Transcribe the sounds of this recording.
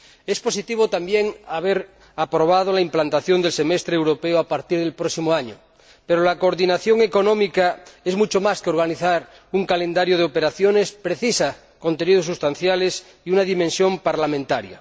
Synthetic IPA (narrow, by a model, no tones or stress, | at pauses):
espo̞sit̪iβ̞ot̪ambjeŋaβ̞eɾ | apɾoβað̞olaimplant̪aθjo̞nd̪e̞lse̞mest̪ɾeewɾo̞peoapaɾt̪iɾð̞elpɾosimoaɲo̰ | peɾolakoɾðinaθjo̞ŋeko̞nõmikaezmut͡ʃomaskeo̞ɾɣ̞aniθaɾ | uŋkalẽ̞nd̪aɾjoð̞eope̞ɾaθjonespɾeθisa | ko̞nt̪eniðosːust̪anθjales | iunaðimẽnsjo̞mpaɾlamẽnt̪aɾja̰